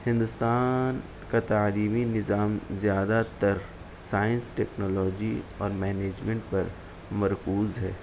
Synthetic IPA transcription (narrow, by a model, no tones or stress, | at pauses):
hɪ̃nd̪ʊst̪aːn | kat̪aːliːminɪzaːmzjaːd̪at̪ɐɾ | saːjə̃nsʈɛːknɔːlɔːd͡ʒiɔːɾmɛːneːd͡ʒmẽɳʈpɐɾ | mɐɾkuːzɦɛː